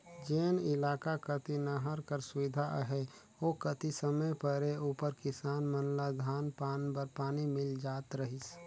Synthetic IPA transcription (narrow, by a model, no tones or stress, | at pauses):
d͡ʒeːnɪlaːkakət̪inəɦəɾkəɾsʊʋɪd̪ʱaʔɦɛ | oːkət̪isəməjpəɾeuːpəɾkɪsaːnmənlad̪ʱaːnpaːnbəɾpaːnimɪld͡ʒaːt̪ɾəɦɪs